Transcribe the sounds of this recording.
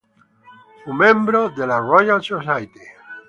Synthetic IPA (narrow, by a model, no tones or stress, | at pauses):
fumẽmbɾoðelarojalsosajt̪i